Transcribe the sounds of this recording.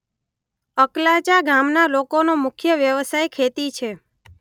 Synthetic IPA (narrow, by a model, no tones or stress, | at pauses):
əklat͡ʃaɡamnalokonomʊkʰjəʋjəʋsajkʰet̪it͡ʃʰe